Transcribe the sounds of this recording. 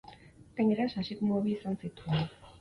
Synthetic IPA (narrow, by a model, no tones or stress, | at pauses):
ɡ̥aɲe̞ɾasasikmoβiːsansit̪uen